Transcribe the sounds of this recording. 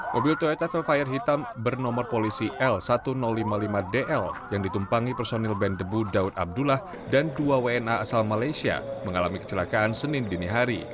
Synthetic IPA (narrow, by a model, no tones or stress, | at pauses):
mʔobilt̪oet̪afɛlfajərɦit̪ambərnɔmɔrpolisiʔɛlsat̪unɔlːimalimadeʔɛljaŋdit̪umpaŋipərsonɛlbɛndəbudaut̪̚a̰b̚dulah | danduaweɛnaasalmalajsia̰məŋalamikə̥t͡ʃəlakaʔansənɪndəniɦaɾi